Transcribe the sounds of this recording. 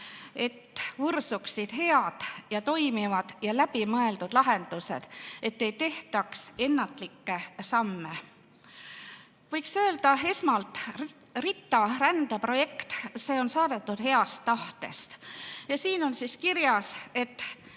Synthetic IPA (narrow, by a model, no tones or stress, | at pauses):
e̞t̪ːvursuksid̪̥he̞ɑd̪̥jɑt̪o̞jmivɑd̪̥jɑlæb̥imɤe̞ld̪̥ud̪lɑɦe̞nd̪̥use̞̰d̪̥e̞t̪ːe̞jt̪e̞ht̪ɑkse̞nːɑt̪ˑlikːe̞sɑmːe̞ | vɤjksø̞ːld̪̥ɑe̞smɑlt̪ˑ | rit̪ːˑɑɾænd̪ɑpro̞je̞kt̪se̞ːo̞nsɑːd̪̥e̞t̪ːˑud̪̥he̞ɑst̪ːɑht̪e̞̰st̪jɑsiːno̞nsiskiɾjɑse̞t̪ːˑ